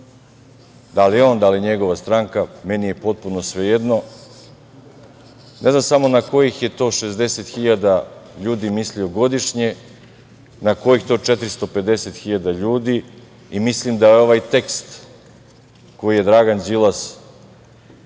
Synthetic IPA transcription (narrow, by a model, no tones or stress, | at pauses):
d̪alio̞ːnd̪aliɲe̞ɡo̞ʋast̪ɾaːŋkamenije̞po̞t̪̚punosʋejed̪no̞ | nʔe̞znamsamo̞nako̞jixje̞t̪o̞ːʃezd̪e̞set̪xiʎad̪aʎuːd̪imislio̞ɡo̞d̪iʃɲe̞ | nako̞jixt̪o̞ːt͡ʃet̪ɾist̪o̞pe̞d̪e̞set̪xiʎad̪aʎuːd̪i | imislimd̪ajeo̞ʋajt̪e̞kst̪ | ko̞jijed̪ɾaːɡand͡ʒilˠas